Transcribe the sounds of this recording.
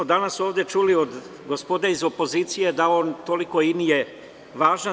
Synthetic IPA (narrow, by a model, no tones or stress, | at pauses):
od̪anasoːʋd̪je̞t͡ʃulio̞d̪ | ɡospod̪eizo̞po̞ziːt̪sijed̪ao̞ːnt̪oliko̞inije | ʋaːʒa